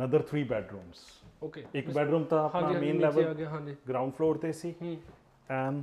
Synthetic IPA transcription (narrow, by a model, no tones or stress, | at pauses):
nəd̪əɾt̪ʰɾiːbɛːɖɾũːmsokeɪkbɛːɖɾũːmt̪ãəpnaːmẽːnlɛːʋəlãd͡ʒiɡɾãʊ̃ɳɖfʰloːɾt̪esiː | ɛ̃nɖ